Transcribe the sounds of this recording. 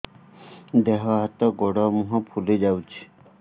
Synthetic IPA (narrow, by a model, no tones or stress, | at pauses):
d̪eɦɔɦat̪ɔɡɔɽɔmuɦɔ̃pʰulid͡ʒawt͡ʃʰi̥